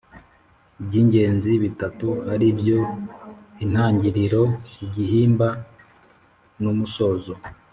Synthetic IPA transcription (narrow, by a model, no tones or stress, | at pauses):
bɟiːɲɟe̞ːnziβitatuhaɾibɟo̞ | in̥haːɲɟiɾiɾo̞iɟihiːmba | numuso̞ːzo